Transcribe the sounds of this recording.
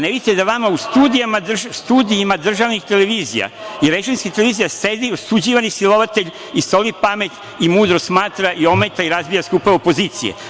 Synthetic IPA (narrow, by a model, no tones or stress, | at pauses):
neid̪it̪ed̪aʋamaust̪uːd̪ijamad̪r̩ʒst̪uːd̪iimad̪r̩ʒaʋnixt̪e̞leʋiːzḭja̰jɾet͡ʃenskit̪eleʋiːzijase̞d̪iosud͡ʑiːʋanisilˠo̞ʋat̪e̞ʎʲ | ist̪o̞lipame̞t̪ | imuːd̪ɾosmaːt̪ɾaʔio̞met̪aiɾazbijaskupaopo̞ziːt̪sḭjḛ